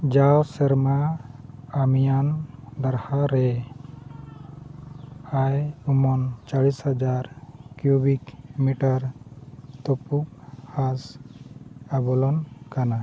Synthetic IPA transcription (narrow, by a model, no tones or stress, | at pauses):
d͡ʒawsɛɾmaː | mijand̪aɾhaɾɛ | ajumɔnt͡ʃaɽishad͡ʒaɾkjubikmiʈaɾ | t̪ɔpukhas | abɔlɔnkana